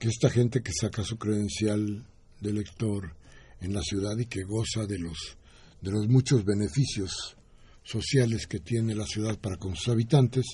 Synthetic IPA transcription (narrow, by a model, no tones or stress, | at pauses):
keest̪axe̞nt̪e̞ke̞sakasukɾeðe̞nsjal | d̪e̞le̞kt̪o̞ɾe̞nlasjuðaðike̞ɣo̞saðe̞lo̞s | ðe̞lo̞zmũt͡ʃo̞zβe̞ne̞fisjo̞sː | o̞sjale̞ske̞t̪je̞ne̞lasjuðaðpaɾako̞nsu̥saβ̞it̪ant̪e̞s